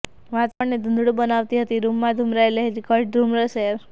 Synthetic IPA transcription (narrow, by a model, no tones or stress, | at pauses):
ʋat̪aʋəɳned̪ʱənd̪ɽubənaʋt̪iɦət̪iɾumːãd̪ʱumɾajləɦit̪ikəʈɾumɾəsɾ